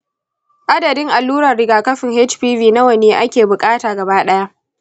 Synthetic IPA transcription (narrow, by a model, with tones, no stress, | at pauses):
ʔa˦dɐ˨dɪ˦ŋʔa˨lːuː˦ɾɐ˨rɽɪ˦ɡaː˨kɐ˦ɸɪ˨ŋhe˦t͡ʃɸiː˦viː˨na˦wɐ˨neː˨ʔa˦kʲeː˨bʊ˨kʼaː˦taː˨ɡɐ˨baː˦ɗɐ˦ja˦ʔ